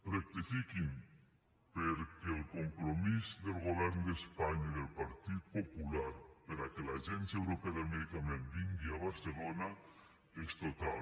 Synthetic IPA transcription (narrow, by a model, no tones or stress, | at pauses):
rek̚t̪ifikin | peɾkeːlkompɾomisðelɣoβeɾnod̪espaɲaiðelpaɾt̪iðpopulaɾpeɾakelaːʒensjaewɾopeaðelmeðikamẽnbiŋɡiaβaɾselona | est̪ot̪al